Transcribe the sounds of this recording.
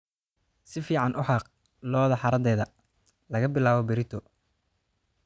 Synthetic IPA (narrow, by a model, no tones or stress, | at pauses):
sɪfiːʕɑnʔʊħɑːq | lɔːðɐħɑɾɐd̪ɛːðɐ | lɐɣɐbɪlaːβɔbɪɾɪt̪ʰɔ